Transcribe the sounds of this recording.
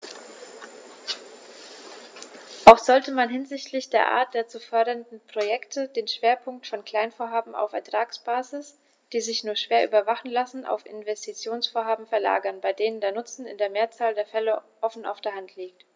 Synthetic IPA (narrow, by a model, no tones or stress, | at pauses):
ʔaʊxz̥ɔltəmanɦɪnzɪçtʰlɪçd̥eːɐʔa̰ːɐt̚d̥eːɐt͡suːfœɐdɐndn̩pʁ̥ojɛktʰədeːnʃv̥eːɐpʰʊŋk̚tfɔnkl̥aɪnfoːɐɦaːbm̩a̰ʊfɛɐtʁ̥aːksb̥aːzɪs | d̥iːzɪçnuːɐʃv̥eːɐʔy̰ːbɐvaχn̩lasn̩ʔa̰ʊfɪ̰nvɛstʰit͡sjoːnsfoːɐɦaːbm̩fɛɐla̰ːɡɐnbaɪdeːnəndeːɐnʊt͡sn̩ɪ̰ndeːɐmeːɐt͡saːldeːɐfɛləʔɔfn̩ʔa̰ʊfd̥eːɐɦantʰliːk̚t